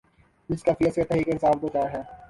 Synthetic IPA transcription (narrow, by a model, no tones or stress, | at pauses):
d͡ʒɪskaːfiəset̪ɛɦɾiːkeɪnsaːft̪okaːɦɛː